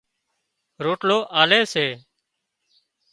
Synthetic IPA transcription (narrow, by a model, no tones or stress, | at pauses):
ɾoːʈloːʔaːleːseː